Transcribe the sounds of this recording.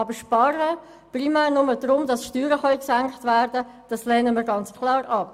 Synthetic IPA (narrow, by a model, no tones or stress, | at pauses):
ɑbəɾʃpɑɾə | primæːɾnʊmədrʊmdɑsʃtyːɾəχœʏksæŋkχtvæɾd̥ə | d̥ɑslɛːnəmiəːɾɡɑnt͡skʰlɑːɾɑp